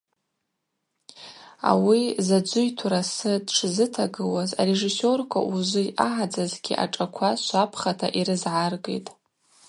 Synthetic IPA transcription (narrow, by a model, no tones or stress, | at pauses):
a̰wizad͡ʒʷʊjtʰuɾasɨdʈ͡ʂʰzɨtʰaɡɨwaza̰reʐiso̞rkʷʰa̰ʔuʒʷɨaʕad͡zazɡʲiʔa̰ʈ͡ʂʼakʷʰaʃʷapʰχatʰaʔiɾɨzʕarɡḛjtʼ